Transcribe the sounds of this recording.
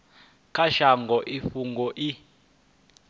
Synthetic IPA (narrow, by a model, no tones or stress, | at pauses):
kʰaʃaŋɡʱɔʔifuŋɡɔʔi